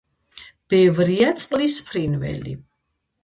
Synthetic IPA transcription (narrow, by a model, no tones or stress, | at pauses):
b̥ɛvɾiat̪sʼqʼlispʰɾinvɛ̰lḭ